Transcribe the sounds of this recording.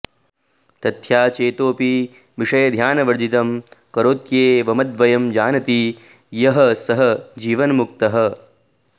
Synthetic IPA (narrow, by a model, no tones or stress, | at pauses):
t̪ɐt̪ʰjaːt͡ʃeːt̪oːpi | ʋiʂɐjɐd̪ʱjaːnɐʋɐɾd͡ʒit̪ɐmkɐɾoːt̪jeːʋɐmɐd̪ʋɐjɐmd͡ʒaːnɐt̪i | jɐɦɐsɐɦɐd͡ʒiːʋɐnmuk̚t̪ɐɦɐ̆